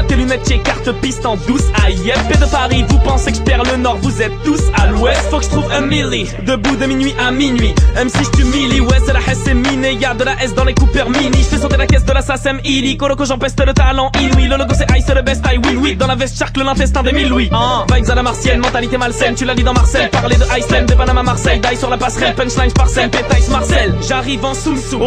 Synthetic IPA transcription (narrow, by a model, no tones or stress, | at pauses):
t̪elymɛt̪̚kekaʁt̪əpist̪ɑ̃d̪usajɛfped̪əpaʁivupɑ̃sekə̥pɛʁlənɔʁvuzɛt̪ːusalwɛst̪fokəʒə̥t̪χuvɛmiʁi | d̪əbud̪əminɥiʔaminɥimɛmsiʒət̪ymiliwɛst̪əlaħɛseminejad̪əlaʔɛsd̪ɑ̃lekupœʁminiʒəfɛsɔt̪elakʲɛsd̪əlasasɛmilikoɾokɔʒɑ̃pɛst̪ələt̪alɑ̃ʔinwiləlɔkosɛʔajsɛd̪əbɛst̪ajwilwid̪ɑ̃lavɛst̪ʃaʁkləlɛ̃fɛst̪ɛ̃d̪əmilwiɑ̃vajzalamaʁsjɛnmɑ̃t̪alit̪emalsɛnt̪ylalid̪ɑ̃maʁsɛjpaʁled̪əʔajsɛnd̪əpanamamaʁsɛjd̪ajsyʁlapasχɛlpɛ̃nʃlajnpaʁsɛnpet̪ajsmaʁsɛlʒaʁivɑ̃sulsu